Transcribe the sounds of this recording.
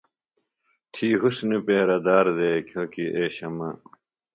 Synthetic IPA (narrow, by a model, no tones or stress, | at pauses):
t̪ʰiːɦusnepeːɾɐd̪aːɾd̪eːkjõːkiʔeːɕɐmɐ